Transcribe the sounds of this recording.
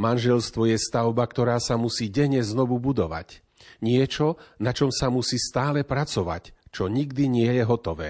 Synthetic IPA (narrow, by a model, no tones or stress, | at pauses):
manʒɛlst̪ʋɔjɛst̪aʊbakt̪ɔɾaːsamusiːɟɛɲɛznɔʋubud̪ɔʋa̰c | ɲɪɛt͡ʃɔnat͡ʃɔmsamusiːst̪aːlɛpɾat͡sɔʋa̰ct͡ʃɔɲiɡd̪iɲɪɛjɛɦɔt̪ɔʋɛː